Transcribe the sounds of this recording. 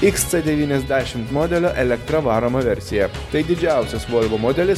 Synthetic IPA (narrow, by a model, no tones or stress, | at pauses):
ɪkst̪sʲɛd̪ʲɛʋʲiːnʲɛzʲd̪ʲæːʃʲɪmt̪moːd̪ʲɛlʲoːʔɛlʲɛkt̪ɾɐʋɑːɾomɐʋʲɛɾʲsʲɪjɛt̪ɐɪd̪ʲɪd͡ʒʲæˑʊsʲɛsʋoːlʲʋoːmod̪ʲɛlʲɪs